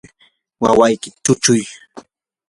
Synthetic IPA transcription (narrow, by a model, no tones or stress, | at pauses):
wawajkɪ̥t̪ʊt͡ʃʊj